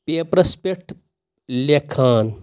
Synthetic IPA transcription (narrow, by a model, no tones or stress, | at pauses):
pepɾɐspeʈ | lekʰaːn